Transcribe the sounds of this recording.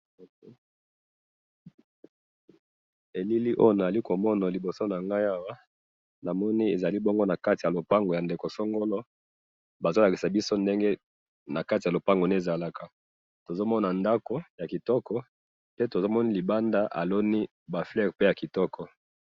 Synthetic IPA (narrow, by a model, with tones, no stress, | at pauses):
e˨li˦li˦ʔo̰˦jo˦˨na˨za˨li˦ko˨mɔ˦na˨li˨bo˨so˦na˨ŋɡa˦ja˦wa˦ | na˨mɔ˦ni˦e˨za˨li˦bɔ˦ŋɡo˦na˨ka˦ti˨ja˨lo˨pa˦ŋɡo˨ja˨nde˨ko˨so˦ŋɡo˦lɔ˦ | ba˨zo˦la˨ki˨sa˨bi˦so˦nde˦ŋɡe˦ | na˨ka˦ti˨ja˨lo˨pa˦ŋɡo˨na˦e˨za˨la˨ka˦ | to˨zo˦mɔ˦na˨nda˦ko˦ja˨ki˨tɔ˦kɔ˦ | pe˦to˨zo˦mɔ˦ni˦li˨ba˦nda˦ʔa̰˨lo˦ni˦ | ba˨flɛ˦˨ʁpe˦ja˨ki˨tɔ˦kʰɔ˨